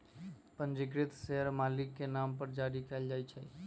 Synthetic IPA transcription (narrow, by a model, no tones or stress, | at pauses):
pə̃nd͡ʒɪɡɾɪt̪seɦəɾmaːlɪkːenaːmpəɾd͡ʒaɽikɛld͡ʒaːjt͡ʃʰɛ